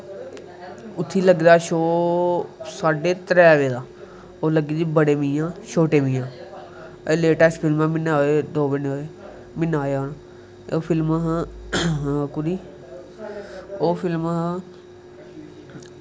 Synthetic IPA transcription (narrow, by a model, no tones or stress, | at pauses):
ʊt̪ʰːiːləɡd̪aːʃoː | saːɖeːt̪əɾɛːʋeːd̪aː | oːləɡiːd̪iːbəɽeːmĩːjãːʃʰoːʈeːmɪ̃ːjãː | leːʈɛːsʈpʰɪlmãːmɪnaːeːd̪oːbɪnoeː | mɪnaːeːoːna | oːpʰɪlməɦ | kʊɾiː | oːpʰɪlməɦ